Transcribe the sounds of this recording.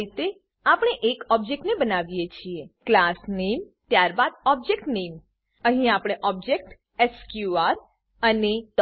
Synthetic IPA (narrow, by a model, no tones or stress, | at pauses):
it̪e | apəɽ̃eʔekɔb̚d͡ʒek̚ʈnebənaʋijet͡ʃʰieklasnem | t̪jaɾbad̪ɔb̚d͡ʒek̚ʈnem | əɦĩapɽ̃eʔɔb̚d͡ʒek̚ʈ | eskjuaɾ | ənet̪